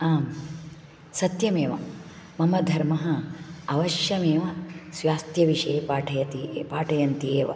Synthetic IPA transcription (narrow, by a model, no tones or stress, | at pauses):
aːm | sɐt̪jɐmeːʋɐ̰mɐmɐd̪ʱɐɾmɐɦɐɐʋɐʃjɐmeːʋɐsʋaːst̪jɐʋiʂɐjpaːʈʰɐjɐt̪ipaːʈʰɐjɐnt̪ieːʋɐ̰